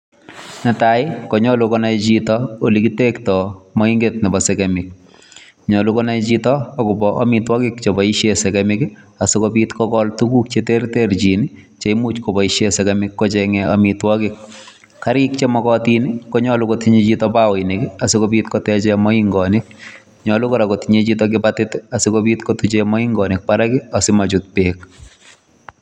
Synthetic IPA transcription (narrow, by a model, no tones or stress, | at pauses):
nɛtaɪkɔɲɔlukɔnajt͡ʃitɔolikitektɔmɔiŋɡet̚nɛbɔsekɛmɪk̚ | ɲɔlukɔnajt͡ʃitɔːkʊbɔʔɔmitwɔkɪk̚t͡ʃebɔiʃesɛkɛmɪk | asʊkopitkɔkɔltukukt͡ʃetertert͡ʃinit͡ʃeimut͡ʃkɔbɔiʃesɛkɛmɪkːɔt͡ʃɛŋɛa̰mitwɔkɪk̚ː | aɾɪkt͡ʃemɔkɔtinikɔɲɔlukotiɲet͡ʃitɔpawinɪkɪasɪkobitkɔtɛt͡ʃɛmɔiŋɡɔnɪk̚ | ɲɔlukɔɾakotiɲet͡ʃitɔk̬ɪpatɪtasɪkobiːtkotut͡ʃemɔiŋɡɔnɪk̚paɾakɪasɪmat͡ʃʊt̚peːk̚